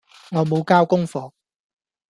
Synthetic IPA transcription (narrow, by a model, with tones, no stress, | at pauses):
ŋɔː˨˧mo˨˧wkaː˥wkʊ˥ŋfɔː˧k̚